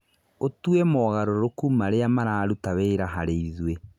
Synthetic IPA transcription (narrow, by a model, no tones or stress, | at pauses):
otwɛmɔːɣaɾoɾokumaɾeamaɾaːɾutaweːɾaɦaɾeiðwe